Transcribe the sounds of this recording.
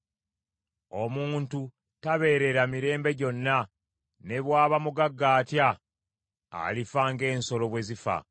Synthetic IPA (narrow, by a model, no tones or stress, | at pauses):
o̞muːntu | taβe̞ːɾe̞ɾamiɾe̞ːmbe̞ɟo̞nːa | ne̞βwaːβamuɡaɡːaːtja | a̰lifaŋɡe̞ːnso̞lo̞βwe̞zifa̰